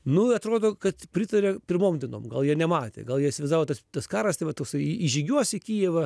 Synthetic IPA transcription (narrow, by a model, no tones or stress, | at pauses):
nʊɐt̪ɾoːd̪oːkɐt̪pʲɾʲɪt̪ɐɾʲɛpʲɪɾmoːmd̪ʲɛno̰ːmɡɐlˠjiɛnʲɛmɑːt̪ʲḛɡɐlˠjiɛɪʃʲsʲɪʋʲɛɪzɑːʋoːt̪ɐst̪ɐskɑːɾɐst̪ɐɪʋɐt̪oːksɐɪiʒʲiɡʲuɔsʲɪkʲiːjɛʋɐ